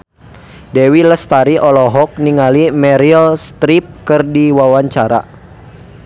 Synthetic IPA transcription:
dɛwiləst̪aɾiʔɔlɔɦɔk̚niŋalimɛɾiəlst̪ɾip̚kərdiwawaɲt͡ʃaɾa̰

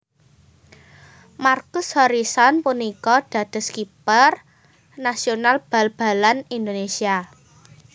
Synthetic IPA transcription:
markʊshɔɾisɔnpunikɔɖ̥ä̤d̪̥ə̤skipər | nasionalb̥a̤lb̥a̤lanind̪onesia

